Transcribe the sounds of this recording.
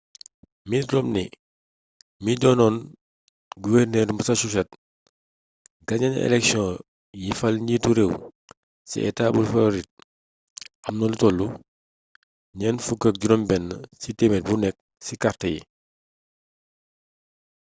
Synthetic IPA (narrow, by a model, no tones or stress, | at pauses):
midɾɔmnḭ | midɔnɔn | ɡuwɛrnɛːdumbəsɐʃuʃɛt̚ | ɡɐɲɐnɛ̰lɛksjɔ̃ | jifɐlɲituɾeːw | sḭʔɛ̰taːbulfɐlɾit̚ | ʔɐmnɔlutɔlːu | ɲɛnfukək̚ɟuɾɔmbɛnːəsitemɛt̚bunɛk̚ | sikartəjḭ